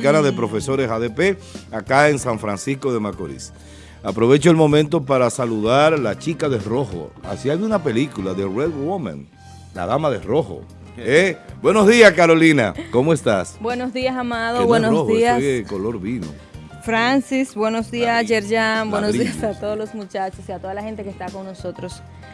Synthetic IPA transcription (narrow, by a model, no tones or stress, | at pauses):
kanaðe̞pɾo̞fe̞so̞ɾesaðepeakaensaɱfɾansisko̞ðe̞makoɾḭs | apɾo̞βe̞t͡ʃoelmõ̞mẽnt̪̬o̞paɾasaluðaɾlat͡ʃikaðero̞xo̞̰a̰siajunape̞likulaðereðwomã̰n | la̰ðamaðeroxo̰ | ebwe̞no̞zðiaskaɾo̞lina̰ko̞moest̪asbwenozðiasamaðoβwenoiaeko̞lo̞ɾβino̰ | fɾansisbwe̞no̞sðiasd͡ʒeɾʝambwenodiasat̪oðoslosmut͡ʃat͡ʃosiat̪oðalahe̞nt̪e̞kest̪ako̞nːo̞so̞t̪ɾos